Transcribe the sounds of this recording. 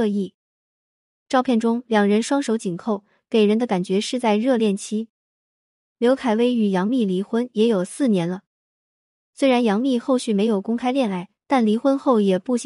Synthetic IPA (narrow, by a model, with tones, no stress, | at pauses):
i˥˩ | ʈ͡ʂɑ˥˧ʊpʰjɛ˥˩nʈ͡ʂʊ˥ŋljɑ˨˩ŋɻə˧˥nʂwɑ˥ŋʂo˧˥ʊt͡ɕi˨˩nkʰo˥˩ʊ | ke˨˩ɪɻə˧˥nd̪ə˧ka˨˩nt͡ɕɥɛ˧˥ʂɻ̩˥˧t͡sa˥˧ɪɻɤ˥˧ljɛ˥˩nt͡ɕʰi˥ | ljo˧˥ʊkʰa˨˩ɪwe˥ɪy˨˩jɑ˧˥ŋmi˥˩li˧˥xwə˥njɛ˧˥jo˨˩ʊsɹ̩˥˩njɛ˧˥nlə˧ | swe˥ɻa˧˥njɑ˧˥ŋmi˥˧xo˥˧ʊɕy˥˩me˧˥ɪjo˨˩ʊkʊ˥ŋkʰa˥ɪljɛ˥˩na˧˥ɪt̪a˥˩nli˧˥xwə˥nxo˥˩ʊjɛ˨˩pu˥˩ɕ